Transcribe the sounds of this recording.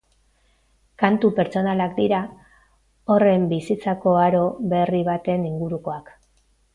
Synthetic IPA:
kant̪upe̞ɾt͡so̞nalakd̪iɾa | o̞re̞mbisit͡sako̞aɾo̞βe̞riβat̪e̞niŋɡuɾuko̞ak

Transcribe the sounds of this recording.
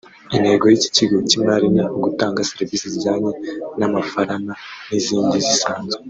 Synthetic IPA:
inhe̞ːɡo̞jici̥ciɡocimaɾinaɡutaːŋɡasiɾivisiziɟaːɲenamafaɾananiziːndizisaːnzo

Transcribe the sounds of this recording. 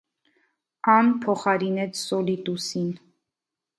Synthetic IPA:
ɑnpʰɔχɑɾinɛt͡sʰsɔlit̪usin

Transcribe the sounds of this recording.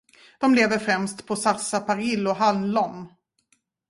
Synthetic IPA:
d̪̥ɔmleːvəɾfɾɛmst̪pʰɔsasapʰaɾɪlːɔɦalnlɔm

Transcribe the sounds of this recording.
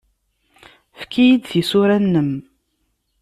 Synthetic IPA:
fkʰijid̪θisʊɾænːəm

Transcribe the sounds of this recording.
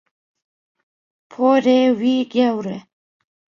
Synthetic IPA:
pʰoɾewiɡawɾe

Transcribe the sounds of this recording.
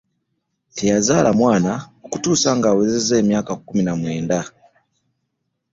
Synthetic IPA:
tejazalamwaːnaokutusaŋɡaːwezezemjaːkakuminamweːnda

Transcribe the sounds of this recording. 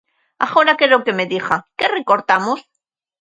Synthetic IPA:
a̰χoɾakeɾoke̞me̞ðixakerekoɾt̪amos

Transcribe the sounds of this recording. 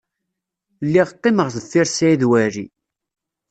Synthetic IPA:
lːiʁt̪ːiməʁθəθːiɾsæiðwæɾḭ

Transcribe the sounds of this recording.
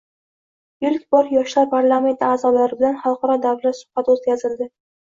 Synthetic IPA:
jʊlkʲbɒɾjɒʃlaɾpʰaɾlˠame̞nt̪ʰaːzɒblaɾɪbɪlanχɑlˠqɑɾɒd̪awlat̪sʊ̥hbat̪ot̪kʲazɪld̪ɪ

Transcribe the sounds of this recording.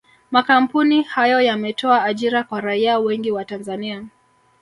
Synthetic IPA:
makam̩punihajɔjamɛtʰɔaːʄiɾakwaɾaiawɛŋɡiwatanzania

